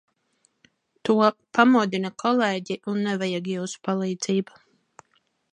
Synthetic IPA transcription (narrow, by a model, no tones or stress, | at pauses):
t̪uɔpamuɔd̪inakʰɔleːɟiʔunːɛvajaɡjɛwspalˠiːd̪ziːba